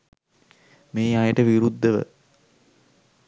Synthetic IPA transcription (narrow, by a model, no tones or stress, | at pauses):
meːajəʈəʋiɾud̪ːəʋə̰